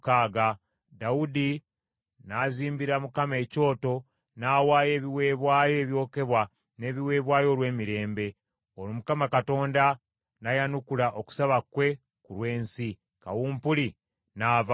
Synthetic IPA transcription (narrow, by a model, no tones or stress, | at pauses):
kaːɡa | daudi | naziːmbiɾamukame̞ːco̞ːto̞ | naːwaːje̞ːβiwe̞ːβwaːjo̞eβjo̞ːke̞βwa | ne̞ːβiwe̞ːβwaːjo̞ːlwe̞ːmiɾe̞ːmbe̞ | oɾumukamakato̞ːnda | najanukulaʔo̞ku̥saβakwe̞ | kuɾwe̞ːnsi | ka̰wuːmpuli | naːva